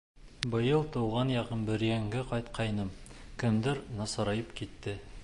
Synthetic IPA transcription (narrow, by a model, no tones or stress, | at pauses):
bɤ̆jɤlˠt̪uwʁɑnjɑqɤnbɘ̆ɾjæŋɡɘqɑjt̪qʰɑjnɤmkɘ̆md̪ɘɾnɑsɑɾɑjɤpkit̪ːɘ